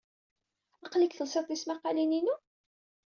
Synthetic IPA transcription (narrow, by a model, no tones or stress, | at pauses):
ɑqlikθəlsɑt̪ˤismɑqɑlininu